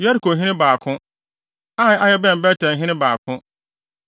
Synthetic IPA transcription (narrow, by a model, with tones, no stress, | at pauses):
jɛ˦ɾkʰo˨ɦɪ̃˦nɪ̃˦baː˨kʰʊ̃˦ | a˦˨a˦jɛ˦bɛ̃˦m̩˨bɛ˦tʰɛ̃˨n˨ɦɪ̃˦nɪ̃˦baː˨kʰʊ̃˦